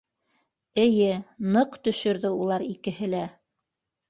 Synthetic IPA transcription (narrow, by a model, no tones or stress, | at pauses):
ɘ̆jɘnɤqt̪ɵ̆ʃɵ̆ɾðɘulˠɑɾikɘ̆ɦɘlæ